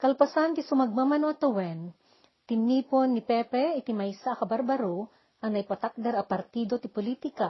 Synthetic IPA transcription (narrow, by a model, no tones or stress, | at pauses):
kɐlpɐsant̪ɪsʊmɐɡ̚mamɐnoʔɐt̪ɐwɛn | t̪ɪmiːponːɪpɛpɛɪt̪ɪmajsakɐbɐɾbɐɾu | ʔɐŋnɐjpɐt̪ak̚d̪ɐɾɐpɐɾt̪iːd̪ot̪ɪpʊlit̪ɪka